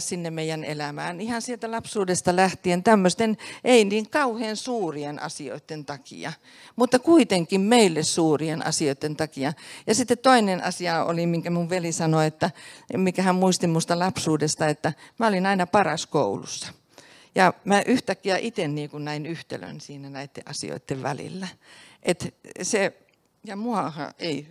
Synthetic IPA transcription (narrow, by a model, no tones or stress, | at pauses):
ssinːemmeijænḛlæmæːnihɑnsielt̪ælɑpsuːdest̪ɑlæht̪ient̪æmːøst̪enʔeiniːŋkɑuheːnsuːrienɑ̰sio̰it̪ːent̪ɑkḭɑ̰ | mut̪ːɑkuit̪eŋkːimmeilːessuːrienʔɑ̰sioit̪ːent̪ɑkiɑjɑsit̪ːet̪t̪oinenʔɑ̰siɑo̰limiŋkæmuʋʋelisɑnoet̪ːæmikæhæmmuist̪immust̪ɑlɑpsuːdest̪ɑet̪ːæmæolinɑinɑpɑrɑskoulṵsːɑ̥ | jɑmæʔyht̪ækːiæʔit̪enniːkunnæinyht̪ḛlø̰nsiːnænæit̪ːḛʔɑsḭo̰it̪ːeʋʋæ̰lḭlːæʔet̪se | jɑmuɑhɑ̰ʔei